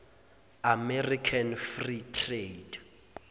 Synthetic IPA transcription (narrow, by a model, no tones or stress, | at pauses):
amɛrikʰanfritʰred